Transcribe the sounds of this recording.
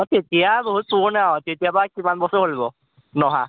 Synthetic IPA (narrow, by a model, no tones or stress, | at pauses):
ɔtetijaboɦut̚suɹnaɦɔ̃tetijapɔakimanbɔsɔɹɦolibɔ | nɔɦã